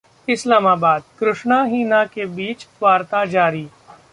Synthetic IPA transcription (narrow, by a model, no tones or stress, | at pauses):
ɪslaːmaːbaːd̪kɾʊʃnaɦiːnakebiːt͡ʃʋaːɾt̪ad͡ʒaːɾiː